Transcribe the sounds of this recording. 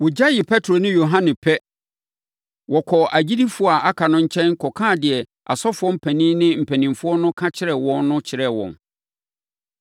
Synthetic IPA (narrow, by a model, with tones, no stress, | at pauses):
wʊ˨d͡ʑa˦jɪ˨pʰɛ˦tʰɾo˨nɪ̃˦jo˨ɦã˦nɪ̃˨pʰɛ˦ | wɔ˨kʰɔ˨ʔa˨d͡ʑi˦di˦fʊ˦˨a˨ʔa˦kʰa˨nʊ̃˦ɲ̩˦t͡ɕʰɛ̃˦nŋ̩˦kʰɔ˨kʰãː˦˨dɪ˨ɛ˨ | a̰˨sɔ˦fʊ˦ɔ˦m̩˦pʰɛ̃˨nĩ˦nɪ̃˦m̩˨pʰɛ̃˨nĩ˨mfʊ˦ɔ˦nʊ̃˦kʰã˦t͡ɕʰɪ˦ɾɛ˨wɔ̃˦nːʊ̃˦t͡ɕʰɪ˨ɾɛ˦˨wɔ̰̃˨n